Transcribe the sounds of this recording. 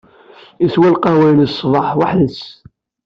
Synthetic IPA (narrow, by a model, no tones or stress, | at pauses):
iθwælqɑwæjləsˤvˤɑħwaħðəs